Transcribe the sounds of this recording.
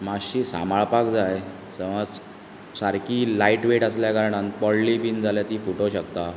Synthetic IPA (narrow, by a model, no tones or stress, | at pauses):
maɕiːsa̰maɭpakd͡zaj | səʋad͡z | saɾkiːlaiʈʋeʈəsljakaɾɳanpɔɽlipiːnd͡zʱaljat̪iːfoʈoɕəkt̪a